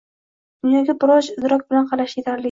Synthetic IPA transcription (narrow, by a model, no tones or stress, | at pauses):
d̪̥ʊnjɒɡʲabʊɾɒʃɪd̪ɾɒk̚ʲbɪlanqʰɑlaʃjet̪ʰaɾlɪ